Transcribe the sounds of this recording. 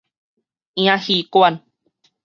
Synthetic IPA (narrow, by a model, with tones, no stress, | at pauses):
ĩ˧ã˦hi˧kua˧˨n